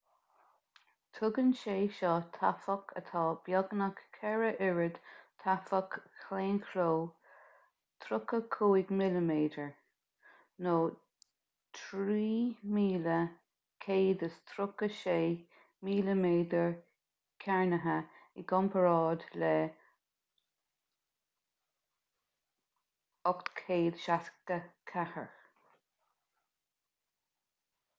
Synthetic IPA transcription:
t̪ʰʊɡənʃeːʃɔt̪ʰa̰fɔkʰət̪ʰɑːb̥jɑɡnəkkʰɛɹəʔɪɹəd̪̥t̪ʰafəkʰleːnkʰɾoː | t̪ʰɾʊkəkʰuːɪɡmɪləmeːd̪əɹ | noː | t̪ʰɾiːmiːlə | kʰeːd̪əst̪ʰɾʊkəʃeː | miːləmeːd̪əɹ | kʰɛɹnəɦəɪɡɔmpʰəɾɑːd̪lɛ | ɔkt̪kʰeːd̪ʃask̚t̪əkʰahə̰ɹ

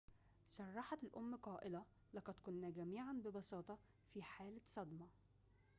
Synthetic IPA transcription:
sɑrˤːɑħɑt̪lʔʊmːqɑːʔɪlæ | lɑqɑd̪kʊnːæɡæmiːʕanbɪbɑsɑːt̪ˤɑ | fiħaːlsˤɑd̪mɑ

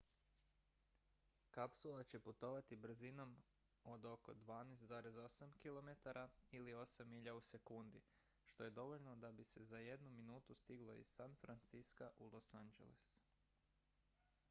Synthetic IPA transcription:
kapsulˠat͡ɕe̞put̪o̞ʋat̪ibr̩zino̞m | o̞d̪o̞ko̞̰d̪ʋaːneːst̪zaːɾe̞zo̞samkilˠo̞me̞t̪aɾʔailio̞samiʎause̞kund̪i | ʃt̪o̞je̞d̪o̞ʋo̞ʎno̞d̪abise̞zaje̞d̪numinuːt̪ust̪iɡlˠo̞ḭz̥sanfɾant̪siskaʔulˠo̞sand͡ʒḛlḛs

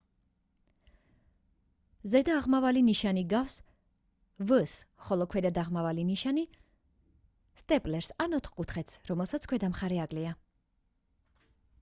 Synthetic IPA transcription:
zɛd̪aːʁmavaliniʃaniɡafs | vəsχɔlˠɔkʰwɛd̪ad̪aʁmavaliniʃani | st̪ʼɛpʼlɛɾsanɔt̪ʰχkʼut̪χɛt̪sɾɔmɛlˠsat̪sʰkʰwɛd̪amχaɾɛakʼlɛa

